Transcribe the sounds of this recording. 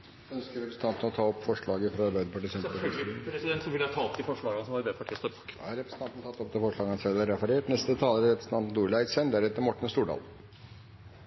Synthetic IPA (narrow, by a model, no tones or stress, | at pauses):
œnskəɾɛpɾsn̩t̪ʰɑnt̪n̩ɔt̪ʰɑːɔpːfɔʂɭɑːɡəfɾɑɑɾbæɪd̪əpʰɑʈɪsɛiɾɛsɪd̪ɛnt̪sɔʋɪləɑt̪ʰɑːlt̪̚d̪ɪfɔʂɭɑːɡəɑnəsɔmɑd̪epʰɑʈʰiːəst̪ɔkd̪ɑ̰hɑɾɛpɾəs̩t̪ɑnt̪nt̪ɑt̪ːɔp̚d̪ɛfɔʂɭɑːɡəɑnsɛlæɾɛfɑɾeːʈnɛst̪ət̪ʰɑːləɾəɾɛpɾəsn̩t̪ɑnt̪nd̪uːɾɭæɪsænd̪æɾhɛt̪ːəɾmɔʈːɳ̩st̪uːɖɑ̰ːl